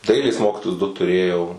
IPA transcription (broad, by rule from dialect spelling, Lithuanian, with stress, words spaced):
ˈdɐɪlʲeːs ˈmoːkʲiːtoːjʊs dʊ tʊˈrʲeːjɛʊ